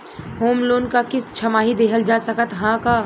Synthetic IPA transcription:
hoːmloːnkakɪst͡ʃʰəmaːɦid̪eːkʰəld͡ʒasəkət̪ɦãka

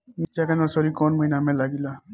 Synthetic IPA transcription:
nit͡ʃakanɔɾsɔɾikɔnməɦinamẽlaɡila

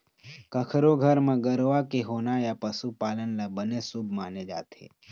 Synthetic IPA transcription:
kəkʰɾoɡʱəɾmãːɡəɾʋakeɦoːnaːjapəsupaːlənlabənesubʱmaːned͡ʒa̰ːt̪ʰḛː

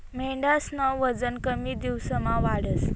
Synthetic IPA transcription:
meɳɖasnaʋəd͡zənkəmid̪iwsəmãʋaɽəs

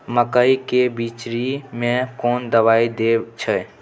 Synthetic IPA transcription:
məkəikebit͡ʃɾimẽkoːnd̪əʋaːid̪et͡ʃʰə

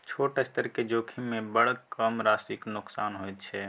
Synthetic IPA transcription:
t͡ʃʰoʈest̪əɾked͡ʒoːkʰimmẽbəɽkəmɾaːsiknʊksaːnɦojt̪̚t͡ʃʰɛ

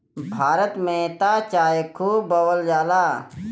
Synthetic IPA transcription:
bʱaːɾət̪mẽt̪aːt͡ʃaːjekʰuːbɐwəld͡ʒaːlaː

